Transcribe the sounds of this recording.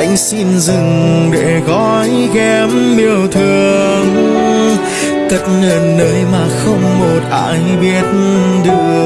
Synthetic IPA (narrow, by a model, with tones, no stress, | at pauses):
jŋ̟si˧nzɨ˨˩ŋɗe˧˩ɣɔ˧˦jkɛ˧mɓi˨˩əwt̪ʰɨ˨˩əŋ | t̪ə˨˩t̚nəː˨˩nːəː˨˦jmaː˨˩xə˧wŋ͡mmo˨˩t̚ʔa̰ː˧˥jɓi˦˥ət̚nɗɨ˧˩